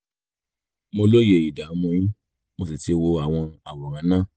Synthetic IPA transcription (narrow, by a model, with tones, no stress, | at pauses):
mo˧lo˦je˨i˨da˨˦mũ˧j̃ĩ˦ | mo˧si˨ti˧wo˧a˨w̃ɔ̃˧a˨wɔ˨ɾã˨˦nãː˦˨